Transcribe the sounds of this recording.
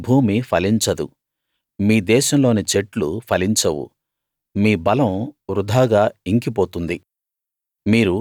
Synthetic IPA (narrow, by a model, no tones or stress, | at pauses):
bʱuːmipʰɐliɲt͡ʃɐd̪ṵ | miːd̪ɛːʃɐmlo̞ːnit͡ʃeʈlupʰɐliɲt͡ʃɐwṵ | miːbɐlɐ̃mɾud̪ʱaːɡaːiŋkip̬oːt̪und̪i | miːɾu